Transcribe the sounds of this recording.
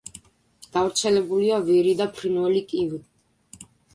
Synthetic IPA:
ɡ̥avɾt̪sʰɛlɛbuliavɛɾid̪apʰɾinvɛlikʼivi

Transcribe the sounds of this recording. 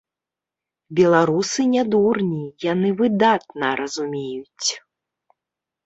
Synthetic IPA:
bʲɛlˠaɾusɨnʲad̪urnʲijanɨvɨd̪at̪nɐɾɐzumʲejut͡sʲ

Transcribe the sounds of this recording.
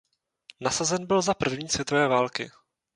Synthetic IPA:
nasazɛnbɪlzapr̩vɲiːsvjɛt̪o̞vɛːvaːlkɪ̰

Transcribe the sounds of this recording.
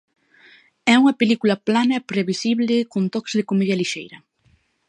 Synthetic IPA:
ɛuŋɐpelikulɐplanɐepɾeβisiβlɪkont̪ɔkzðɪkomiðɐliʃejɾɐ

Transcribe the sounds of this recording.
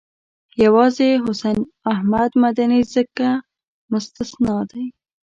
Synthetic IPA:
jawɑzeɦʊsan | ahmad̪mad̪anizəka | mʊst̪ɪsnɑd̪aj

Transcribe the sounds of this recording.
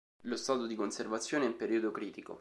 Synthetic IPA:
lost̪aːt̪od̪ikonservat̪sːjoːneimpeɾiːod̪okɾiːt̪iko̰

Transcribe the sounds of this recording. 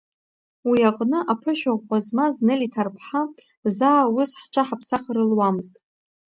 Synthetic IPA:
wiaqʼnɨʔapʰɨʃᶣaʁʷqʷʼazmaznɨlitʰarpʰħa | zaːwʊsħʈ͡ʂʷʰaħapʰsaχɾɨlwamɨztʼ

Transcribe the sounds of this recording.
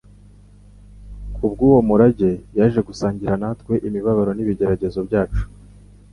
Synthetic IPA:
kʰubɡuːwo̞muɾaɟe̞jaʒe̞ɡusaːɲɟiɾanatkwe̞ʔimiβaβaɾoniβiɟe̞ɾaɟe̞zo̞bɟaːt͡ʃu̥

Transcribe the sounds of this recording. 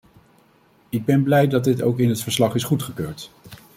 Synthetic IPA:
ɪɡ̚bɛnblɛjdɑd̚dɪto̰wkɪnɦətfəɹslɑχɪsχutχəkøːɹt

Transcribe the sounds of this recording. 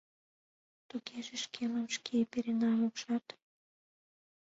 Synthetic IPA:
t̪ukeʒeʃkʰelɑmʃkʰepeɾenɑmokʃɑt̪

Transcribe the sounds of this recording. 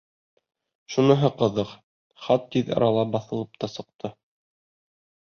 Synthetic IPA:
ʃunɤ̆ɦɤqɤ̆ðɤq | χɑt̪ːiðɑ̰ɾɑlˠɑbɑθɤ̆lˠɤp̚t̪ɑsɤ̆q̚t̪ʰɤ

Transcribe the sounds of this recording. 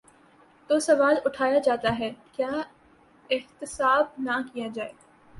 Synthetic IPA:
t̪oːsɐʋaːlʊʈʰaːjad͡ʒaːt̪aɦɛːkjaː | ɪxt̪ɪsaːb̚nakijad͡ʒaːeːɡa

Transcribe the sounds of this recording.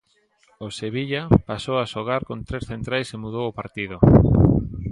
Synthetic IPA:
oseβiʎapasowaʃoɣ̞aɾkont̪ɾesθent̪ɾajsemuðowopaɾt̪iðʊ

